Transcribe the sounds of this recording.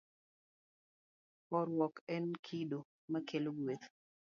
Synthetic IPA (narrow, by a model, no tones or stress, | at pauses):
pɔɾwɔkɛnkʰido | makeloɡwet̪